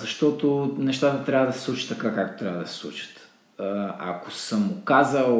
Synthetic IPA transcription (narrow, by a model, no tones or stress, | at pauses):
zɐʃt̪ɔt̪onɛʃt̪at̪ət̪ɾʲabəd̪ɐsɛ̥slˠut͡ʃi̥t̪ːɐkakak̚t̪ot̪ɾʲabəd̪ɐsɛ̥slˠṵt͡ʃə̥t̪ | a̰kosəmʊkazəlˠ